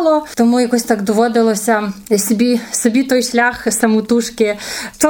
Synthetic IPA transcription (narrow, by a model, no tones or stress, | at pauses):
lˠɔt̪ɔmujɐkɔsʲt̪akd̪ɔʋɔd̪ɪlˠɔsʲɐsʲɔbʲisɔbʲit̪ɔjʃlʲaxsɐmut̪uʃkɪt͡ʃɔ